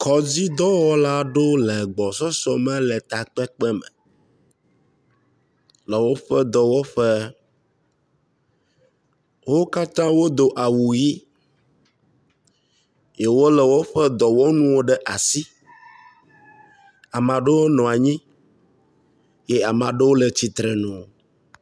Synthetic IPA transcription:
kʰɔ˨d͡ʑi˦d̪ɔ˦wɔ˦la˦ɖo˦lɛ˨ɡ͡bɔ˨sɔ˦sɔ˦mɛ̃˦lɛ˨t̪a˨k͡pɛ˦k͡pɛ˦mɛ̰̃˨ | lɛ˨wo˦ɸɛ˦d̪ɔ˨wo˦ɸɛ˦ | wo˦ka˦t̪ã˦wo˦d̪o˨ʔa˨wu˨ji˦ | je˨wo˦lɛ˨wo˦ɸɛ˦d̪ɔ˨wo˦nũ˦wo˦ɖɛ˦ʔa˨si˦ | a˨mã˨ɖe˦wo˦nɔ̃˨a˨ɲĩ˦ | je˦a˨mã˨ɖe˦wo˦le˨t͡ɕi˦t̪ɾɛ˨nũ˨

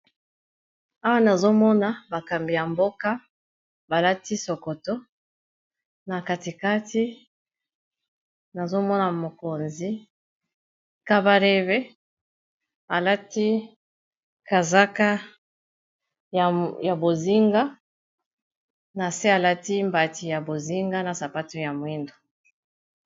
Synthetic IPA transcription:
a˦wa˦na˨zo˦mɔ˦na˨ba˨ka˨mbi˨ja˨mbo˦ka˦ | ba˨la˦ti˦so˨ko˨to˦ | na˨ka˨ti˨ka˦ti˦ | na˨zo˦mɔ˦na˨mo˨ko˨nzi˦ | ka˦ba˦ɾe˦ve˦ | a˨la˦ti˦ | ka˨za˦ka˦˨ | ja˨bo˨zi˦ŋɡa˦ | na˨se˦a˨la˦ti˦mba˨ti˨ja˨bo˨zi˦ŋɡa˦na˨sa˨pa˦to˦ja˨mwi˦ndo˨

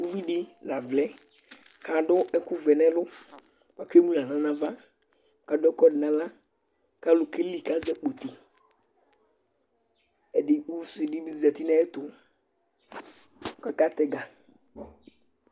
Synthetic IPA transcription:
u˦vi˦ɖɪ˦la˨vlɛ˦ | ka˨ɖʊ˦ʔɛ˦ku˦vɛ˨nɛ̃˦lʊ˦ | wa˨ke˦mũ˦lã˨nã˨nã˨va˦ | ka˨dɔ˦kɔ˦ɖɪ˨nã˨la˦ | ka˦lʊ˨ke˦li˦˨ka˦zɛ˦k͡po˨t̪i˨ | ɛ˨ɖɪ˨u˦vi˦sɪ˨ɖɪ˦bi˦zɛ˨t̪i˦nã˦ɛ˦t̪ʊ˨ | ka˦ka˦t̪ɛ˦ɡa˨

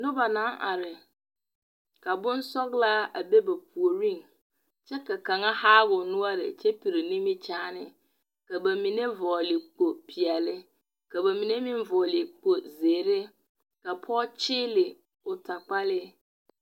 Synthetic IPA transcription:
nʊ̃˦ba˨nã˨˦ʔa̰˨ɾɪ˨ | kʰa˨bʊ̃˦n˦sɔ˦ɡla˦a˨be˦ba˨pʰu˨o˨ɾĩ˦˨n | t͡ɕʰɛ˦ka˨kʰã˨ŋa˦haː˦bʊ˨nʊ̃˦a˨ɾɪ̰˨t͡ɕʰɛ˦pʰi˨ɾi˨nĩ˦mĩ˦t͡ɕʰaː˦nɪ̃˨ | ka˨bæ˨mĩ˨nẽ˦vɔ˨lɪ˨k͡po˨pʰi˨a˨lɪ˦ | ka˨bæ˨mĩ˨nɛ̃˦mĩ˦m˦vɔ˨lɪ˨k͡po˨zeː˨ɾɪ˦ | ka˨pʰɔ˦t͡ɕʰɪ˦lɪ˨ | ʊ˨tʰa˨k͡pa˦lɪ˦

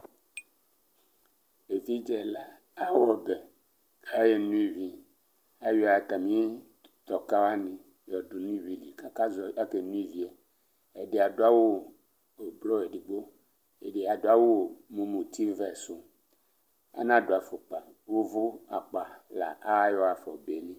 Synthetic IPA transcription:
e˨vi˦d͡ʒɛ˦la˦ | a˦wɔ˨be˨ | a˦je˦nũ˦i˦vi˦ | a˦jɔ˦˨t̪a˨mĩ˦ | t̪ɔ˨ka˦wa˦nĩ˨ | jɔ˨ɖo˨nũ˦i˦vi˨li˨ka˦ka˦zɔ˨a˦ke˨nũ˦i˦vi˦a˨ | e˨ɖe˨a˨ɖo˦a˦wo˦˨ | e˨blɔ˦e˨ɖi˨ɡ͡bo˦ | e˨ɖe˨a˨do˨˦a˦wo˦o˨mũ˨mũ˨t̪i˦vɛ˦˨so˦ | a̰˦nã˦ɖo˨a˨fo˨k͡pa˨ | wo˦vo˦a˨k͡pa˨la̰˨ʔa˦wa˦jɔ˦a˨fɔ̰˨be˨nẽ˦

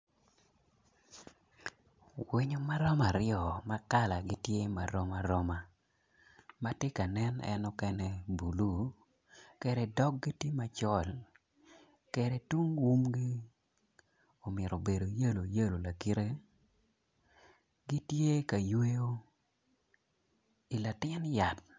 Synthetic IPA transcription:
wi˦ɲo˦ma˦ɾɔ˦ma˨ɾɪjɔ˨ma˦ka˦la˨ɡɪ˦tje˦ma˨ɾɔ˦ma˦ɾɔ˦ma˨ | ma˦tɪ˦ka˨nɛ˦nɛ̰˦nɔ˦kɛ˦nɛ˦bu˨lu˦ | kɛ˦ɾɛ˨dɔ˦k̚ɡi˦ti˦ma˦t͡ʃɔ˦˨l | ke˨ɾe˨tu˦ŋwu˦mɡi˦ | o˨mɪ˨ɾo˨be˨do˨jə˦lo˨jə˦lo˨la˨ki˦ɾe˦ | ɡi˦tje˦ka˨jwe˦jo˦ | i˨la˨tɪ˦nja˨t̚

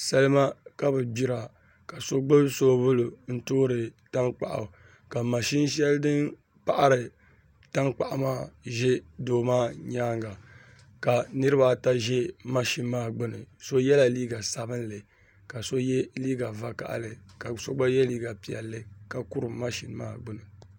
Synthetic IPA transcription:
sa˦lɨ˦ma˦ka˦bɨ˨bi˦ɾa˨ | ka˨so˦ɡ͡bɨ˦so˦bʊ˦lo˨n̩˦toː˦ɾɨ˨ta˦ŋk͡pa̰˨ʔa̰˨ | ka˨ma˨ʃi˦n˦ʃ̬ɛ˦ldɨ˦n | pa˦ʔa˦ɾɨ˨ | ta˦ŋk͡pa˨ʔa˨maː˦ʒɛ˦doː˦maː˦ɲaː˦ŋɡa˨ | ka˨nɨ˦ɾɨ˦ba˦ta˦ʒɛ˦ma˦ʃi˦n˦maː˦ɡ͡bʊ˦nɨ˨so˦jɛ˦la˨liː˦ɡa˨sa˨bɨ˦n˦lɨ˨ | ka˨so˦jɛ˦liː˦ɡa˨va˨ka̰˨ʔa̰˨lɨ˨ka˨so˦ɡ͡ba˦jɛ˦liː˦ɡa˨pi˨ɛ̰˨lːɨ˦ka˨ku˦ɾɨ˨ma˦ʃi˨n˦ma̰ː˦˨ɡ͡bɨ˦nɨ˨

